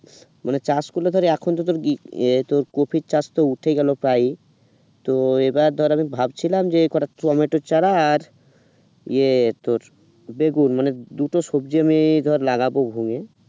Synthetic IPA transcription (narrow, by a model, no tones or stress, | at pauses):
manet͡ɕaskolod̪ʱɔɾeɛkʰont̪̬ot̪oɾt̪oɾkopʰit͡ɕast̪ouʈʰeɡɛlopɾaj | t̪oebaɾd̪ʱɔɾamibʱabt͡ɕʰilamd͡ʑekɔʈatuɔmeʈot͡ɕaɽaːɾ | iet̪oɾ | beɡunmaned̪uʈoʃobd͡ʑiamid̪ʱɔɾelaɡabobʱuŋe